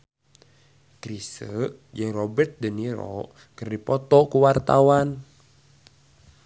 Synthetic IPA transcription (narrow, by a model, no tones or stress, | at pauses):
kɾisəʔjɨŋrɔbɛrt̪̚dəniɾɔ̰ | kərdipɔt̪ɔʔkuwart̪awan